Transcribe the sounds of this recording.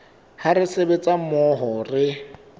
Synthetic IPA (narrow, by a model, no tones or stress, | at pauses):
haɾɪsebet͡sʼamɔɦɔrɪ